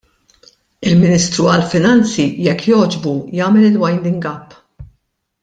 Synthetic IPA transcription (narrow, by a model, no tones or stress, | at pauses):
ɪlmɪnist̪ɾuɐlfɪnɐnt͡sijɛkːjɔːd͡ʒbujɐːmɛlɪlwɐjnd̪ɪŋɡɐpː